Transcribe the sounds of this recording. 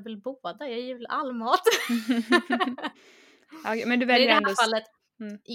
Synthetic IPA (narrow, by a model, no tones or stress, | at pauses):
vɪlboːd̪ajɑːjʉːvla̰ʔalːmɑːt̪ | ɔkʰɛmɛnd̪ɵvɛljɪəɾɛnd̪ɔfalːət̪ː